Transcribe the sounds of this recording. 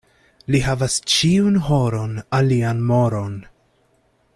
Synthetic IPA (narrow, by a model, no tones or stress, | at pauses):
lihavast͡ʃiunɦo̞ɾo̞nalianmo̞ɾo̞n